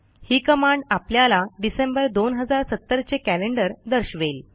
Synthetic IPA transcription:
hiːkəmaɳɖapljalaɖisembəɾd̪onɦəd͡zaɾsət̪ːəɾt͡sekæleɳɖəɾd̪əɾɕʋel

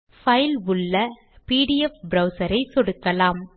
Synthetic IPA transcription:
fɐɪlʊɭːɐ | piːɽɪjɛfbɾɐʊsɐɾɐɪsɔɽɯkːɐlaːm

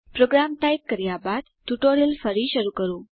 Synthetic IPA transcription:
pɾoɡɾamʈaip̚kəɾjabad̪tuʈoɾjəlfəɾiʃəɾukəɾũ

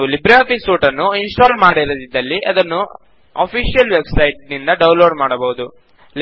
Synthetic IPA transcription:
ulibɾaːpisuːʈɐnːuinsʈoːɾmaːɽiɾod̪id̪ːɐlːiɐd̪ɐnːu | ɐ̰pʰiːʂijɐlʋe̞bsɐjʈ̚nind̪ɐɖɐwnloːɖmaːɽɐbɐud̪u

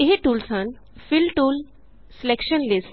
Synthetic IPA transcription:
eɦiʈuːlsan | fɪlʈuːl | sɪlekʃənlɪsʈ

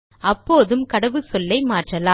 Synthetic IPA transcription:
ɐpːoːðɯmkɐɽɐʋɯsɔlːɐɪmaːʈrɐlaː

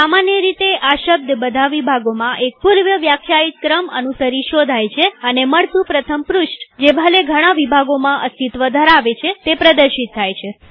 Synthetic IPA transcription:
samanjəɾit̪eʔaʃəb̚d̪ʱbəd̪ʱaʋibʱaɡomãʔek̚puɾʋjəʋjakʰjait̪̚kɾəmə̰nusəɾiʃod̪ʱajt͡ʃʰeəneməɭt̪ũpɾət̪ʰəmpɾʊʃʈd͡ʒebʱəleɡʱəɽ̃aʋibʱaɡomãʔəst̪it̪ʋəd̪ʱəɾaʋet͡ʃʰet̪epɾəd̪əɾʃit̪ʰːajt͡ʃʰe

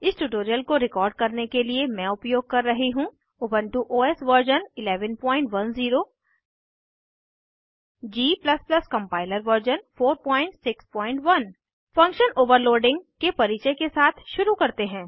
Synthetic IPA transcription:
ɪsʈuʈoːɾijəlkoɾɪkɔːɾɖ̚kɐɾnekeliemɛ̃ʊpjoːɡ̚kɐɾːɐɦiɦũ | oːbə̃nʈuʔoːɛːsʋəɾd͡ʒənɪlɛːʋənpɔ̃ːɪ̃ɳʈʋɐnziːɾo | d͡ʒiːplɐsplɐskɐ̃mpaːɪləɾʋəɾd͡ʒənfoːɾpɔ̃ːɪ̃ɳʈsɪkspɔ̃ːɪ̃ɳʈʋɐn | fɐ̃ŋkʃənoːʋəɾloːɖɪ̃ŋɡkepɐɾiːt͡ʃekesaːt̪ʰʃʊɾukɐɾt̪eɦɛ̃ː

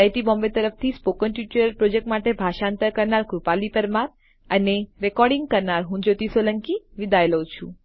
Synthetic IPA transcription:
ajʈibɔmbet̪əɾəft̪ʰispokənʈjut͡ʃəɾəlpɾod͡ʒek̚ʈmaʈebʱaʃaənt̪əɾkəɾnaɾkɾupalipəɾmaɾ | əneɾekɔɾɖĩŋɡkəɾnaɾɦũd͡ʒot̪isoləŋkiʋid̪ʱaeləwt͡ʃʰṵ̃

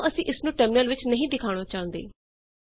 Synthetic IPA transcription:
ʔəsĩːʔɪsnũːʈəmɪəlʋɪt͡ʃnəɦĩːd̪ɪkʰaːɽ̃oːt͡ʃaːɦə̃nd̪ḛː

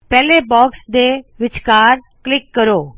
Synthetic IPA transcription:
pɛːleːbɔːksd̪eːʋɪt͡ʃkaːɾ | klɪkːəɾoː

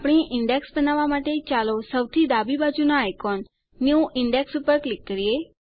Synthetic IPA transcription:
apɽ̃iʔɪɳɖeksbənaʋamaʈet͡ʃalosəwt̪ʰid̪abibad͡ʒunaːjkɔnː | juɪɳɖeksupəɾklɪkːəɾie

